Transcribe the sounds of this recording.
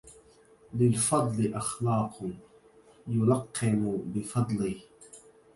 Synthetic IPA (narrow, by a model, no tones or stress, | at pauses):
lɪlfɑd̪ˤlɪʔɑxlɑːq | jʊlɑqʰːɪmʊbɪfɑd̪ˤlɪ